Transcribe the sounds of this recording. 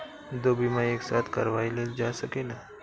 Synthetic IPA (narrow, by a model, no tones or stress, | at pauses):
d̪oːbʱimãeːksaːt̪ʰkəɾʋaːileld͡ʒasɐkeːna